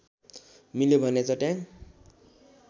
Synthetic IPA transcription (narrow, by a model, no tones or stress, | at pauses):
miljobʱʌnet͡sʰʌʈjaŋ